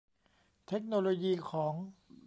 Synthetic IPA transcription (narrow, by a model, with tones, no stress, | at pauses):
t̪ʰe˦˥k̚noː˧loː˧jiː˧kʰɔː˩˦ŋ